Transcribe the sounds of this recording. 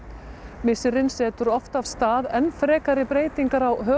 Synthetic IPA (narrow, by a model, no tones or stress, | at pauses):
mɪsɪɾɪnsɛːt̪ʏɾɔft̪avst̪aːðɛnfɾɛːkaɾɪpɾeːjt̪iŋkaɾawɦœː